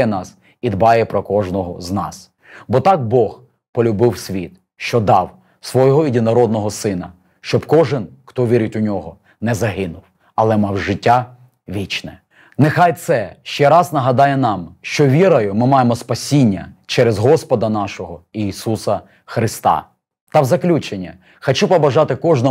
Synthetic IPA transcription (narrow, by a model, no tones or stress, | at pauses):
ɛnɑs | id̪bɑjɛpɾɔkɔʒnɔɦɔznɑ̰s | bɔt̪ɑk̚bɔx | pɔlʲʊbɪwsʲʋʲit̪̚ | ʃt͡ʃɔd̪ɑw | sʋɔjɔɦɔidʲinɐɾɔd̪̚nɔɦɔsɪnɐ̰ | ʃt͡ʃɔbkɔʒɪnxt̪ɔʋʲiɾʲɪtʲʊnʲɔɦɔ | nɛzɐɦɪnʊw | ɐlˠɛmɑwʒɪtʲːa | ʋʲit͡ʃnɛ | nexɑjt̪sɛʃt͡ʃɛɾɑznɐɦɐd̪ɑjɛnɑmʃt͡ʃɔʋʲiɾɐjʊmɪmɑjemɔspɐsʲinʲːɐ̰t͡ʃɛɾezɦɔspɔd̪ɐnɑʃɔɦɔiːsusɐ | xɾɪst̪ɑ̰ | t̪ɑwzɐklʲut͡ʃenʲːɐ̰ | xɐt͡ʃupɐbɐʒɑt̪ɪkɔʒnɔ